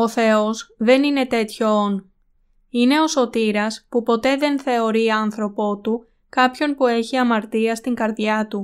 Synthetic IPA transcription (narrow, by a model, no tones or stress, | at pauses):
o̞θe̞o̞zðe̞nine̞t̪e̞t̪ço̞on | ine̞o̞so̞t̪iɾɐspupo̞t̪e̞ðe̞nθe̞o̞ɾiɐnθɾo̞po̞t̪u | kɐpço̞npue̞çiɐmɐɾt̪iɐst̪iŋɡɐɾðʝɐt̪u